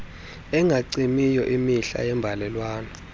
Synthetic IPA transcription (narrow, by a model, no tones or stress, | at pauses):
ɛŋɡʱaǀimijɔʔimiɬa̰jɛmbʱalɛlwaːnɔ